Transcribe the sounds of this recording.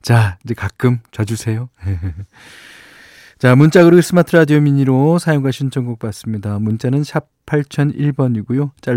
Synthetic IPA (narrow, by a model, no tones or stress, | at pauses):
t͡ɕaid͡ʑe̞kak͈ɯmt͡ɕʌd͡ʑusʰe̞joje̞ | t͡ɕamunt͡ɕ͈aɡɯɾoɡes͈ɯmatʰɯɾadijomiɲiɾosʰajoŋɡaɕʰint͡ɕʰʌŋɡok̚p͈as͈ɯmɲidamunt͡ɕ͈anɯnɕʰip̚pʰːaɭt͡ɕʰʌniɭbʌɲiɡujot͡ɕ͈a